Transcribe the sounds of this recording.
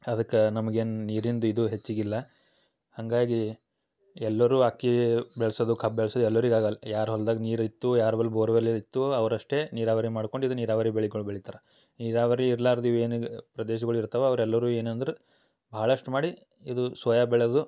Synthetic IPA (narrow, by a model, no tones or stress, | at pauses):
ɐd̪ɐkːenɐmɐɡe̞ːnniːɾind̪uid̪uɦet͡ʃːiɡilːɐ | hɐŋɡaːɡi | ɛlːɐɾuːakːibɛɭɐsod̪ukʰɐb̚bɛɭsɐd̪uɛlːɐɐɾiɡaːɡɐjaːɾɦɐld̪aːɡɐniːɾɐit̪ːujaːɾɐbɐlːbʱoːɾʋeliit̪ːuɐʋɐɾɐʂʈe̞niːɾaːʋɐɾimaːɽko̞ɳɖid̪uniːɾaːʋɐɾibeɭiɡɐɭbeɭit̪aːɾɐ | niːɾaːʋɐɾiːɾlaːɾd̪iːʋeːnpɾɐd̪eːʃ̬ɐɡɐɭuiɾt̪ɐʋeɐʋɐɾɛlːɐɾuːe̞ːnɐnd̪ɐɾe | bʱɐːɐɭɐʂʈumaːɽi | id̪usʋɐjabɛɭd̪u